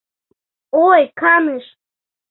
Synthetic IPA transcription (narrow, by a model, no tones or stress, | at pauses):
ojkɑnɨʃ